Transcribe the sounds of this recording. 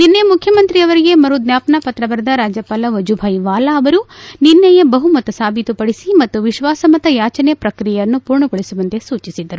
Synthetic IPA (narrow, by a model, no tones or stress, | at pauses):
ninːemukʰjɐmɐnt̪ɾiɐʋɐɾiɡe̞mɐɾud̪njaːpɐnapɐt̪ɾɐbɐɾɐd̪ɐɾaːd͡ʒjɐpaːlɐʋɐd͡ʒubʱɐjʋaːlaɐʋɐɾuninːɐjɐbɐɦumɐt̪ɐsaːbʱit̪upɐɽisimɐt̪ːuʋiʃʋaːsɐmɐt̪ɐjaːt͡ʃɐnɛjɐpɾɐkɾijɛjɐnːupuːɾɳɐɡoɭisuʋɐnt̪esuːt͡ʃisid̪ːɐɾu